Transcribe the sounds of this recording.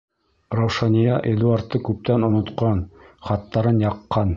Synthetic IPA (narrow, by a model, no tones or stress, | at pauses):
ɾowʃɑnijɑʔed̪uɑɾt̪ːɤkʉp̚t̪ænŏnŏt̪qɑnχɑt̪ːɑɾɤnjɑqːɑn